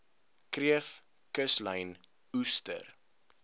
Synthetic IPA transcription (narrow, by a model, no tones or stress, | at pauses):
kriəf | kəsləjn | ustə̰r